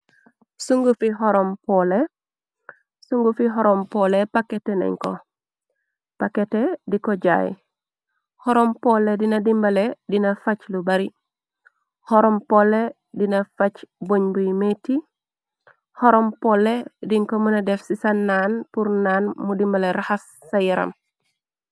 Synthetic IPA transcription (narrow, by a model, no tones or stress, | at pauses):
suŋɡufiɦɔɾompole | suŋɡufiɦɔɾompolepaketenḛŋko̰ | paketedikoɟa̰j | hɔɾompoledinɐdimbɐledinɐfɐclubɐɾi | hɔɾompolːe | dinɐfɐt͡ʃboɲbujmeti | hɔɾompolːediŋkomunɐdefsisɐnːaːnpuɾnaːnmudimbaleɾaxɐsːɐjiɾɐ̰m